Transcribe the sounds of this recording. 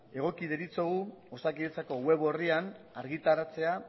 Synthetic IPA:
e̞ɣ̞o̞kiðeɾit͡soɣuosakiðet͡sako̞ɣwe̞βo̞rian | aɾɣit̪aɾat͡se̞a

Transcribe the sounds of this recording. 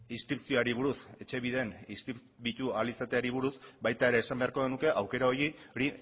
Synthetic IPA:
inskɾipsio̞aɾiβ̞uɾuse̞t͡ʃe̞βiðe̞niskɾip | βit̪ualisat̪e̞aɾiβuɾusbajt̪ae̞ɾe̞ːsambeaɾko̞ɣenuke̞ʔawke̞ɾaojio̞ɾi

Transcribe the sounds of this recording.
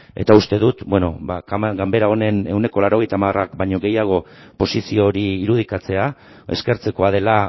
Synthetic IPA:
e̞̰t̪aust̪e̞ðut̪bwe̞no̞̰bakɡambe̞ɾao̞ne̞ne̞wne̞ko̞laɾo̞ɣe̞jt̪amarakbaɲo̞ɣe̞jaɣ̞o̞ | po̞sisio̞ɾiːɾuð̞ikat͡se̞a | e̞̰ske̞ɾt͡se̞ko̞að̞e̞la

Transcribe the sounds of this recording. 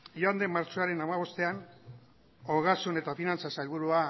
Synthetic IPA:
joand̪emaɾt͡ʃo̞aɾe̞namaβ̞o̞st̪e̞an | o̞ɣasune̞t̪afinant͡sasajlβ̞uɾua

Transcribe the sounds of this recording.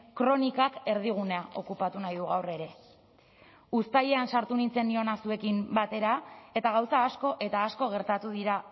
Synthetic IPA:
kɾo̞nikake̞ɾð̞iɣ̞uneaʔo̞kupat̪unajðuɣawre̞ɾe̞ | ust̪aje̞ansaɾt̪unint͡se̞nd̪io̞nasue̞kimbat̪e̞ɾae̞t̪aɣ̞awsaːsko̞ʔe̞t̪aːsko̞ɣ̞e̞ɾt̪at̪uðiɾa

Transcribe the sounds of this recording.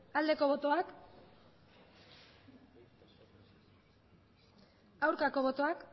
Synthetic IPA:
ald̪e̞ko̞βo̞t̪o̞ak | awɾkako̞βo̞t̪o̞ak

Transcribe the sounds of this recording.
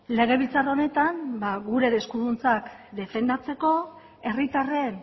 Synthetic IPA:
le̞ɣ̞e̞βilt͡saraone̞t̪ambaɣuɾe̞ðe̞skuðunt͡sakd̪e̞fe̞nd̪at͡se̞ko̞ | e̞rit̪are̞n

